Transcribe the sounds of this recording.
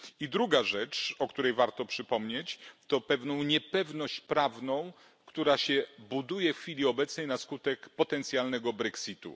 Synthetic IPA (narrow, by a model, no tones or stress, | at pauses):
id̪ɾuɡaʐɛt͡ʂɔkt̪uɾɛjvaɾt̪ɔpʂɘpɔmɲet͡ɕt̪ɔpɛvnɔ̃w̃ɲɛpɛvnɔɕt͡ɕpɾavnɔ̃w̃ | kt̪uɾaɕɛbud̪ujɛffʲilʲiɔbɛt̪snɛjnaskut̪ɛkpɔt̪ɛnt̪sʲjalnɛɡɔbɾɛksʲit̪ṵ